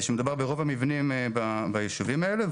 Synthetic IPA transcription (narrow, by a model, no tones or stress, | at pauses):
ʃemed̪ubebeʁovamivnimbabajeʃuvimaele